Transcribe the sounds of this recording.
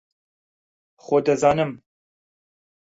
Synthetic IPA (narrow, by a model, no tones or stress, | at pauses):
xoːd̪ɐzɑːnɨm